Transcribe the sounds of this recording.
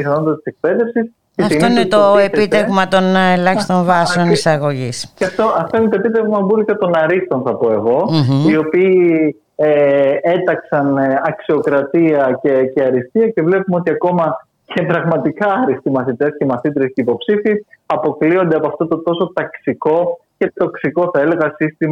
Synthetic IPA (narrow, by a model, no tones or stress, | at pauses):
piθɐno̞nd̪ɐt̪i̥se̞k̚pe̞ðe̞fsis | ceɐfioinet̪oepit̪evmɐt̪o̞nelɐçi̥st̪o̞ɱvɐssonisɐɣo̞ʝisɐft̪oɐft̪oinet̪oe̞pit̪evmɐbulik̪ɐt̪o̞nɐɾist̪o̞nθɐpo̞e̞ɣo̞io̞piː | ee̞t̪ɐksɐnɐksio̞kɾɐt̪iɐce̞ce̞ɐɾist̪iɐce̞vle̞pumeot̪iɐko̞mɐ | cʰe̞pɾɐɣmɐt̪ikɐːɾist̪imɐθit̪e̞sce̞mɐθit̪ɾesceipo̞psifisɐpo̞klio̞nd̪eɐpoɐft̪ot̪ot̪o̞so̞t̪ɐksiko̞ce̞t̪o̞ksiko̞θɐe̞le̞ɣɐsist̪im